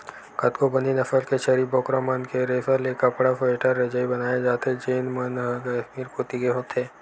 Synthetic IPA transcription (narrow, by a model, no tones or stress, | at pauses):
kɐt̪kobɐninɐfəlkeʃɐɾibɔːkɾamənkeɾefəlekɐpɽafɐeʈʰaɾːɐd͡ʒaibɐnaːjed͡ʒaːt̪ed͡ʒeːnmənɦkʃmiːɾpoːt̪ikeɦoːt̪ʰeː